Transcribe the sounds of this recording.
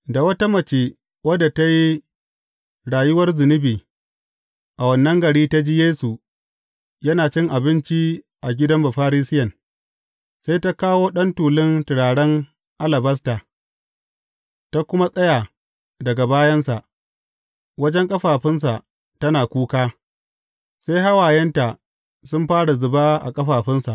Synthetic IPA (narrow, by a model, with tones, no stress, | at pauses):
da˨wɐ˦ta˦mɐ˨t͡ʃeː˨ | wɐ˦da˨ta˦ji˦ | ɽaː˨jʊ˦wɐ˦rzɪ˨nɪ˦biː˨ | ʔa˨wɐ˨nːɐ˦ŋɡɐ˨ɽiː˦ta˦d͡ʒiː˦jeː˦su˨ | jɐ˦naː˨t͡ʃɪ˦ŋʔa˨bɪ˦nt͡ʃi˦ | ʔa˨ɡʲɪ˦dɐ˦mba˨ɸaː˦ɾiː˦sɪ˦jɐ˨n | sa˦jta˦kaː˦woː˦ɗɐ˦ntuː˨lɪ˦ntɪ˨ɽaː˨ɽɐ˦ŋ | ʔa˦lɐ˨bɐ˦staː˨ | ta˦kʷʊ˦ma˦sʼɐ˦jaː˨ | dɐ˨ɡa˨baː˦jɐ˦nsa˨ʔ | wɐ˦d͡ʒɛ˦ŋkʼɐ˦ɸaː˨ɸɪ˦ns̬a˨ʔ | tɐ˦naː˨kʷuː˦kaː˦ | se˦jɦa˦waː˨jɛ˦nta˨ | sʊ˦mɸaː˦ɽa˨zʊ˨baː˦ʔa̰˨kʼɐ˦ɸaː˨ɸɪ˦nsa˨ʔ